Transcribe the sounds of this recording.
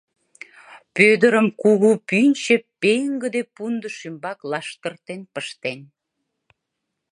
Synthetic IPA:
pød̪əɾəmkuɣupynʲt͡ɕepeŋɡəd̪epund̪əʃymbɑklɑʃt̪ərt̪enpəʃt̪en

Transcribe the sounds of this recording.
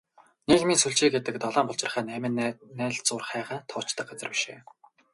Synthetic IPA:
nekmiːnsuɮt͡ɕiːɡet̪ɘ̆kt̪ɔɮɔːmpʊɬt͡ɕɪ̆rχæːnæmɘ̆nnæːɮt͡sʊːrχæːχaːnt̪ʰʊːt͡ɕt̪ə̆k̚ɢat͡sə̆rpi̥ʃḛː

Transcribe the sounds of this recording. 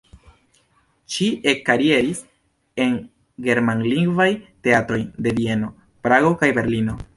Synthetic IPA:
ʃiʔekːaɾie̞ɾis | e̞n | ɡe̞ɾmanliŋɡvajte̞atɾo̞jde̞vie̞no̞ | pɾaɡo̞kajbe̞ɾlino̞

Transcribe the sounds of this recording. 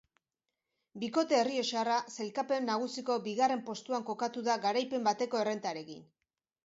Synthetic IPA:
biko̞t̪e̞ːrie̞ʃarase̞lkape̞nːaɣ̞usiko̞biɣare̞mpo̞st̪uaŋko̞kat̪uðaɣaɾajpe̞mbat̪e̞ko̞e̞re̞nt̪aɾe̞kḭn

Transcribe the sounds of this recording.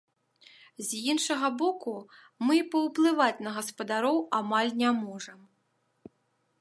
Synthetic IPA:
zʲjinʂɐɣɐbɔku | mɨpɐwplˠɨvat͡sʲnɐɣɐspɐd̪aɾɔwamalʲnʲamɔʐɐm

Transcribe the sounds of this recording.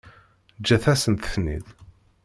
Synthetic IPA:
d͡ʒːæθæsənt̪θnḭð

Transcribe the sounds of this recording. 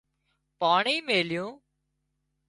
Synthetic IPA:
paːɳiːmeːljõː

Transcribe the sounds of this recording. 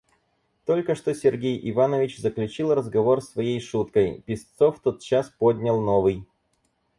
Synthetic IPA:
t̪o̞lʲkəʂt̪o̞sʲɪrɡʲejʔɪvanəvʲɪt͡ɕzəklʲʉt͡ɕilˠrəzɡɐvo̞rsvɐjejʂut̪kəjpʲɪst̪so̞ft̪o̞t̪̚t͡ɕːaspodʲnʲəlˠno̞vɨj

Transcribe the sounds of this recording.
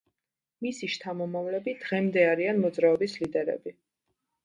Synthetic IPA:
misiʃt̪ʰamɔmavlɛbid̪̥ʁɛmd̪ɛaɾianmɔd̪zɾaɔbislid̪ɛɾɛ̰bi

